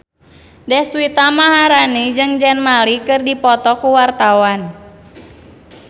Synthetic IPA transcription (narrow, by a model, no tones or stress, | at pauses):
dɛhsuwit̪amaɦaɾanid͡ʒɨŋd͡ʒɛnmalikɨrdipɔt̪ɔkuwart̪awan